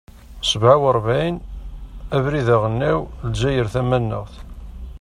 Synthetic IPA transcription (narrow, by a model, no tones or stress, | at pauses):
səbʕawəɾˤvijn | ævɾiðæʁənːæwld͡ʒæjəɾθæmænːə̰ʁθ